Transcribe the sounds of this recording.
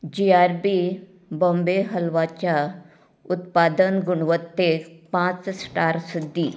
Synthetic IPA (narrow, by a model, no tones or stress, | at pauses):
d͡ʒiaːɾbi | bõmbeɦəlʋat͡ɕa | ʊt̪paːd̪ənɡuɳ̃ʋət̪ːepãt͡ssʈaːɾsud̪ːi